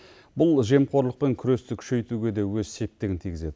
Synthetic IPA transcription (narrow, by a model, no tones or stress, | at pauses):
bʊlˠʒe̞mqʰo̞ɾlˠəq̚pe̞ŋkʲʰʏɾe̞st̪ɪkʲʰʏ̥ʃe̞jt̪uɡʲe̞d̪e̞wɵzse̞p̚t̪ːɪɡʲɪnt̪ʰijɡʲɪze̞d̪ɪ